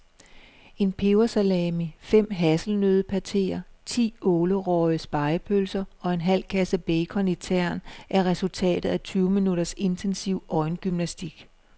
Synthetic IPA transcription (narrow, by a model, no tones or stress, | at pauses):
e̝npʰe̝ʊɐsælɛːmifem̰ɦæsl̩nøð̞ˠəpʰæt͡sʰe̝̰ːɐt͡sʰḭːɔːləʁɒɪəsb̥ɑ̈ɪpʰølsɐɒ̽e̝nɦæl̰kʰæsæb̥eɪkʰɒ̽nit͡sʰæɐ̰nʔæɐʁɛsult͡sʰɛ̰ːd̥ð̩ˠæt͡sʰyːʊminuɾɐse̝nt͡sʰensiʊɒ̽ɪnɡ̥ymnæsd̥iɡ̥